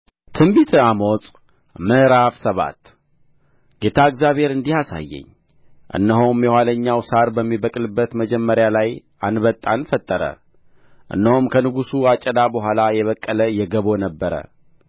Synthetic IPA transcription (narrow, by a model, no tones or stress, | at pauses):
t̪ʰɨmbit̪ʰamosʼ | məɾafsəβa̰t̪ | ɡ̥e̞t̪ʰaɨɡzjaβhe̞ɾɨnd̪ihasa̰jːɛ̰ɲː | ʔɨ̰nːəɦomjɛwaləɲːawsaɾbəmːibəkʼlɨbːət̪məd͡ʒɛmːəɾjalaj | ʔanβət̪ʼːanfət̪ʼːəɾə̰ | ʔɨ̰nːəhomkʰənɨɡusuat͡ʃʼːɛd̪abəɦʷwalajɛβəkʼːələjɛɡəβo̞nəbːəɾə̰